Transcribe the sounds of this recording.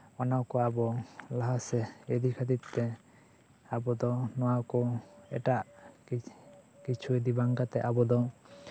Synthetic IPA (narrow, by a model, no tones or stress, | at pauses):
ɔnawkɔabɔlaɦasɛɛd̪ikʰat̪it̪ːɛ | abɔd̪ɔnɔwakɔɛ̰ʈaʔ | kit͡ʃʰued̪ibaŋkat̪ɛʔabɔd̪ɔ